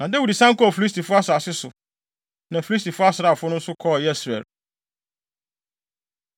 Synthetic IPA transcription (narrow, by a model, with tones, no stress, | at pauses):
nã˨de˦wu˨di˨sã˦ŋkɔ˦ɔ˨fi˨li˦s̬tʰi˨fʊ˦a˦sa˨sɪ˦sʊ˨ | nã˨fi˨li˦s̬tʰi˨fʊ˦a˦sɾa˦˨fʊ˦nʊ̃˦n̩˦sʊ˦kʰɔ˦˨jɛ˦sɾɛ̰˨l